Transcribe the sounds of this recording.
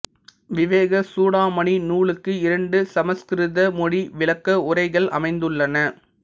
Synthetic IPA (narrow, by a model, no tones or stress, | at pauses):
ʋɪʋeːɣɐsuːɽaːmɐɳinuːɭɯkːɯɪɾɐɳɖɯsɐmɐskɪɾɯðɐmɔɽiʋɪlɐkːɐʊɾɐɪɣɐɭɐ̰mɐɪnd̪ɯɭːɐnɐ